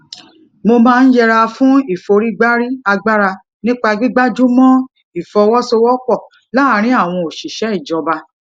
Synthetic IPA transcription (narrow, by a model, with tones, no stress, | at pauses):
mo˧mãː˦˧n̩˦jɛ˧ɾa˧fũ˦i˦˨fo˨˧ɾi˦ɡ͡ba˦ɾi˦a˧ɡ͡ba˦ɾa˧ | nĩ˦k͡pa˧ɡi˦ɡ͡ba˦d͡ʒu˦mɔ̃˦ | i˦˨fɔ˧wɔ˦so˧wɔ˦k͡pɔ˦˨ | la˦ɾ̃ĩ˦a˦˨w̃ɔ̃˧o˨ʃi˨ʃɛ˨˦i˦˨d͡ʒɔ˧ba˧